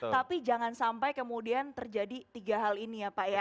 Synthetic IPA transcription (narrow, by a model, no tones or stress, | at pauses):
t̪apid͡ʒaŋansampajkəmudiant̪ərd͡ʒadit̪iɡaɦalinijapaja